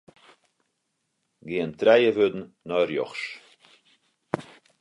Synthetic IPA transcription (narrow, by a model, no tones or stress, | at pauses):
ɡeːənt̪ɾajəvød̪n̩ | nɔɾjɔ̰χʃ